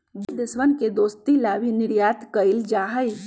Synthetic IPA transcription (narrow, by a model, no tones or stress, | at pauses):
bɪd̪ɪsʋənked̪oːst̪ilaːbʱinɪɾjaːt̪kəɪld͡ʒaːɦəj